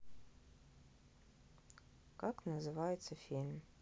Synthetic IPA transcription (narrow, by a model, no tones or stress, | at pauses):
kaknəzɨvajɪt̪səfʲilʲm